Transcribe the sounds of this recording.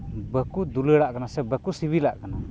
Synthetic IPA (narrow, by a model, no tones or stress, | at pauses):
bəkud̪uləɽaʔkanasɛbəkusiβilaʔkana